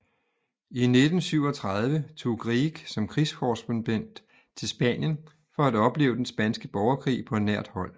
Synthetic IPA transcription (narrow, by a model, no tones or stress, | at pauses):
ined̥n̩syʊɒ̽t͡sʰʁɑ̈ð̞ˠʋət͡sʰo̝̰ːɡ̥ʁiːɡ̥sɒ̽mkʰʁiskʰɒːsb̥ənb̥en̰d̥ | t͡sʰe̝lsb̥ɛnjən | fɒ̽æd̥ɒ̽b̥le̝̰ːʊd̥ensb̥ænsɡ̥əb̥ɒʊɐkʰʁḭːpʰɒ̽næɐ̰d̥hɒ̽l̰